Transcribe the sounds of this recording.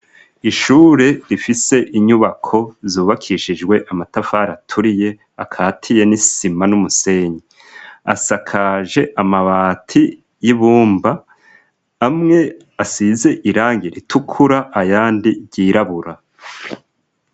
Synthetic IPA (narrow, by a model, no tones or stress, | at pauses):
iʃuːɾe̞ɾifise̞ʔiɲuβakʰo̞zuːβakʰiʃid͡ʒɡwe̞ʔamatafaɾatʰuɾije̞ | akʰaːtʰije̞nisimanumuse̞ɲe | a̰sakʰaʒe̞ʔamaβaːtʰi | jiβuːmbaː | mŋe̞ | asize̞ʔiɾaːŋɡiɾitʰukʰuɾaʔːjaːndiɟiːɾaβuɾa